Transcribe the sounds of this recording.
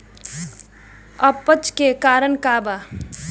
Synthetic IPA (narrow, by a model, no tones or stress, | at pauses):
əpːət͡ʃkekaːɾəɳkaːbaː